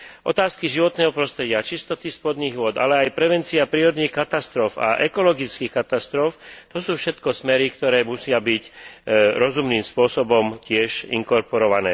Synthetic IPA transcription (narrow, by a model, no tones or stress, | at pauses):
ʔɔ̰t̪aːskiʒiʋɔt̪nɛːɦɔpɾɔst̪ɾɛɟɪat͡ʃist̪ɔt̪ispɔd̪niːɣʊɔd̪a̰lɛajpɾɛʋɛnt͡siapɾiːɾɔd̪nixkat̪ast̪ɾɔfa̰ʔɛkɔlɔɡit͡skiːxkat̪ast̪ɾɔft̪ɔsuːfʃɛt̪kɔsmɛɾikt̪ɔɾɛːmusɪabic | ɾɔzumniːmspʊɔsɔbɔmcɪɛʒḭŋkɔɾpɔɾɔʋanɛ̰ː